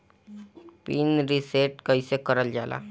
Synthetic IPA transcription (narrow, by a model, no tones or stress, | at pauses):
piːnɾiseːʈkəisekəɾəld͡ʒaːla̰ː